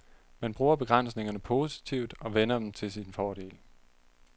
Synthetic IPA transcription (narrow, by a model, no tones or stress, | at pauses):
mænb̥ʁuːɐb̥e̝ɡ̥ʁan̰sne̝ŋɐnəpʰo̝ːsi̥t͡sʰiʊd̥ɒ̽ʋenɐd̥emt͡sʰe̝lsinfɒːɾ̥e̝̰ːl